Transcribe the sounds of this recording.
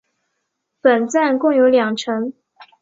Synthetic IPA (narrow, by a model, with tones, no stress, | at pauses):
pə˨˩nt͡sa˥˩nkʊ˥˩ŋjo˧˥ʊljɑ˨˩ŋʈ͡ʂʰɤ˧˥ŋ